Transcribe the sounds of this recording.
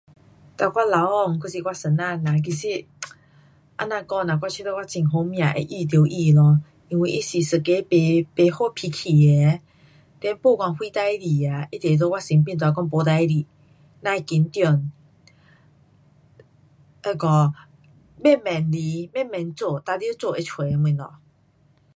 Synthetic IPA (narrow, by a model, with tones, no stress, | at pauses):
t̪a˧˨kwa˦˥la˨˦wɔ˧˨ŋku˧˨si˧kwa˧sə˨˩nã˧˨nã˨k̬i˨˩si˦˧ | ʔa̰˧˥nã˧kɔ˥˧˨nã˨kwʷa˦˧t͡ɕʰi˧˦t̪ɔ˧˦kwa˦˥˧t͡ɕi˨˩ŋɦo˧˦mj̃ã˨ʔḛ˨ʔi˧t̪̬jo˨˦ʔi˧˨lɔ˧ | i˧ŋwi˧ʔi˦si˨sə˨˩ke˧˦e˧pe˨˧˦ho˥˧˨pʰi˧kʰi˨˩e˨˦ | t̪ɛ˧˦npo˥˧˨kwa˧nhwi˦t̪a˧˦i˦li˨˩a˨ʔi˦t̪ɛ˨lo˧˦wa˦˧˨si˨˦ŋp̬i˥˨nt̪wa˨˧˦kɔ˥˦ŋpɔ˨˦t̪a˧˦i˦li˨ | nã˧˨ki˨˦nt̪jɔ˧˨n | ɛ˧˨kɔ˧˨ | mɛ˥˨mɛ˨˩nli˧˦mɛ̃˥˨mɛ˨nt͡so˧˨t̪a˧li˦t͡so˥˧e˧t͡ɕʰwe˨˧˦mɨ˨˧˨nlɔ̰˨